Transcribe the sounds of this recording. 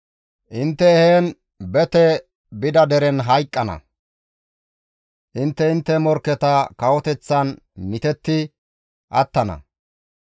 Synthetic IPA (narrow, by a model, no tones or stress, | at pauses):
ʔɪnt̪ːɛheːn | bɛt̪ɛ | bɪd̪ɐd̪ɛɾɛnɦɐjkʼːɐnɐ̰ | ʔɪnt̪ːɛɪnt̪ːɛmɔɾkːɛt̪ɐkɐwɔt̪ɛt͡sːɐnː | ɪt̪ɛt̪ːɪ | ʔɐt̪ːɐnɐ̰